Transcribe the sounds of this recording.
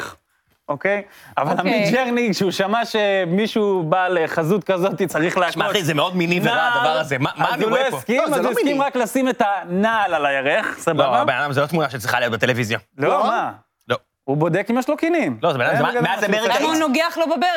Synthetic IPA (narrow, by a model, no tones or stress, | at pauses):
okejavalamid͡ʒeʁniʃeuʃamaʃe̞miʃuːbaleχazut̪kazo̞t̪it͡saʁiχleaʃaizemeod̪minimaaad̪avaʁazemamazuloiskimazuskimʁaklasimetanaːlalajaʁeχsabababenadamzelot̪munaʃet͡sʁiχalijot̚bet̪elevizjaloma | lo | ubo̞d̪ekimjeʃlokinimlozebenadazaɡmeazmeʁikamonoɡeaχlobabe